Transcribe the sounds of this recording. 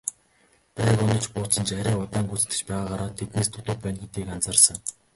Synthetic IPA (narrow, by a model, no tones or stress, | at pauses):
pæːkʊnɞ̆t͡ɕpʊːt͡sə̆nt͡ɕæɾʲæːʊt̪aːŋɡut͡sɘ̥̆nɡɘ̆t͡ɕpæːʁaːɢaɾaːt̪ʰːet̪neːst̪ʰʊt̪ʊ̆t̪̚pæːnɡet̪eːkant͡sărsə̆ŋ